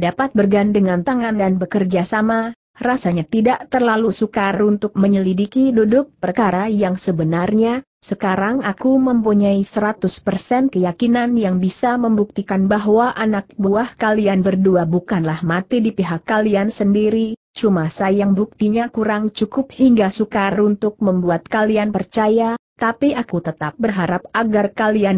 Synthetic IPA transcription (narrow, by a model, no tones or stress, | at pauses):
dapat̪̚bərɡandəŋant̪aŋandanbəkərd͡ʒasama | rasaɲat̪idaʔt̪ərlalusukaunt̪ʊk̚məɲəlidikidudʊk̚pərkaɾajaŋsəbənarɲa | səkaɾaŋakuməmpuɲaisəɾat̪ʊspərsɛnkəjakinanjaŋbisaməmbuk̚t̪ikanbaɦwaʔanak̚buahkalianbərduabukanlahmat̪idipiɦakːaliansəndiɾi | t͡ʃumasajaŋbuk̚t̪iɲakuɾaŋt͡ʃukʊp̚hiŋɡasukaɾaɾunt̪ʊk̚məmbuat̪̚kalianpərt͡ʃajat̪apiʔakut̪ət̪ap̚bərɦaɾap̚aɡarkalian